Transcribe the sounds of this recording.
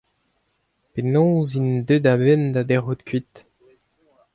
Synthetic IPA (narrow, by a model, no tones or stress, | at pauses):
penɔ̃ːzind̪ød̪abɛnd̪ad̪ɛʁut̪kʰɥit̪